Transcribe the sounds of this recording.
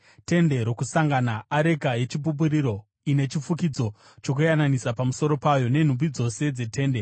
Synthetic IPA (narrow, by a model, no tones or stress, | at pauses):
te̞nde̞ɾo̞kusaŋɡanaaɾe̞ɡʱaje̞t͡ʃip̬up̬uɾiɾo̞ | ine̞t͡ʃifukid͡zo̞ | t͡ʃo̞kujananisapamuso̞ɾo̞pajo̞ne̞n̤ubid͡zo̞se̞d͡ze̞tʰe̞ːnde